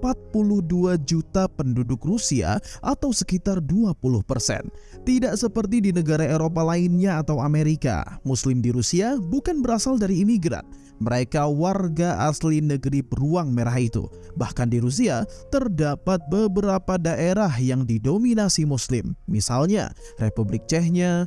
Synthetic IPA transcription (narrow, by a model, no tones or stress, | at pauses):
pat̪̚pulʊhduad͡ʒut̪apəndudʊkrusia̰ʔat̪awsəkit̪arduapulʊhpərsɛ̰n | t̪idaʔsəpərt̪idinəɡaɾaeɾop̬alaɪnɲaːt̪awameɾika̰muslɪmdiɾusiabukanbəɾasaldaɾiːmiɡɾa̰n | məɾekawarɡaʔaslinəɡəɾipəruaŋmeɾaɦit̪ṵ | bahkandiɾus̬iat̪ərdapat̪̚bəbəɾapadaʔeɾaɦjaŋdidominasimuslɪmːisalɲa̰ | republɪk̚t͡ʃɛɦɲa